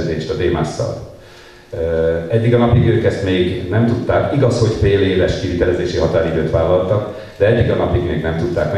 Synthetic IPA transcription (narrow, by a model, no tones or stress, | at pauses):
d̪eːʃt̪ɒd̪eːmaːsːɒ̰l | ɛɟːiɡɒnɒpiɡøːkɛst̪meːɡnɛmt̪ut̪ːaːkiɡɒsho̞ɟfeːleːvɛʃkivit̪ɛlɛzeːʃiɦɒt̪aːɾid̪øːt̪ʋaːlːɒlt̪ɒk | d̪ɛɛɟːiɡɒnɒpiɡmeːɡnɛmt̪ut̪ːaːkmɛ